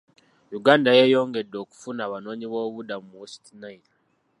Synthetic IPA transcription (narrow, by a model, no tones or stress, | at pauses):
juɡaːndajeːjo̞ːŋɡe̞dːo̞ːku̥funaːβano̞ːɲiβoːβudamumosi̥tinaina